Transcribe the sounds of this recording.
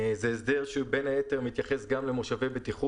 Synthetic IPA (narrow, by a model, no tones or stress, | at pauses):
zeːsd̪eʁʃubenhaet̪eʁmit̪jaχesɡamlemoʃavebet̪iχu